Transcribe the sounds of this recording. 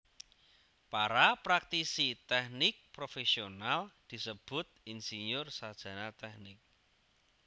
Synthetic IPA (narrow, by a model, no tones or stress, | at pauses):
paɾapɾak̚t̪isit̪ɛhnɪk̚pɾofesionald̪̥i̤səb̥ʊ̤t̪̚insiɲʊrsad̥ʒ̥ä̤nat̪ɛhnɪk̚